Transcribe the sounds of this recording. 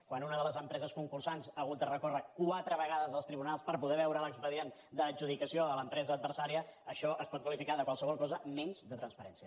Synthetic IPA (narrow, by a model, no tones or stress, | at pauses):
kwanunəðələzəmpɾɛzəskuŋkursansaːɣut̪̚d̪ərəkorəkwat̪ɾəβəɣ̞aðəzəlˠst̪ɾiβunalˠspəɾpuðɛβɛwɾələkspəðien | d̪əːd͡ʒuð̞ikəsioələmpɾɛzəːd̪̚bəɾrsaɾiəəʃɔʔəspɔt̪kwəlifikaðəkwalsəβ̞ɔlˠkɔzəmɛɲzd̪ət̪ɾənspəɾɛnsiə